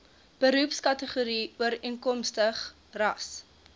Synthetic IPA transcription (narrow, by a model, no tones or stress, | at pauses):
b̥əɾupskɐtəχuɾiuəɾiəŋkɔmstəχ | rɐs